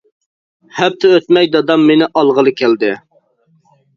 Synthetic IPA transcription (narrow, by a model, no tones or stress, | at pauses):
hɛp̚t̪ʰɪøt̪mɛjd̪ɑd̪ɑmːenɪʔɑlˠʁəlˠɨkʲʰæld̪ɪ